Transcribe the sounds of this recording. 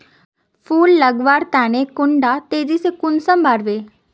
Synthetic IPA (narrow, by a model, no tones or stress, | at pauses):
pʰuːlːəɡʋaːɾt̪ɛːñekʊɳɖaːt̪eːzisekʊnsəmbʱaːɽʋeː